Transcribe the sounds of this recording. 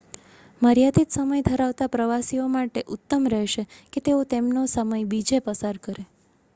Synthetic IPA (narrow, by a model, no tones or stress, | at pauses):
məɾjad̪it̪səməjd̪ʱəɾaʋt̪apɾəʋasiomaʈeʔʊt̪ːəmɾɛɦʃeket̪eot̪emnosəməjbid͡ʒepəsaɾkəɾe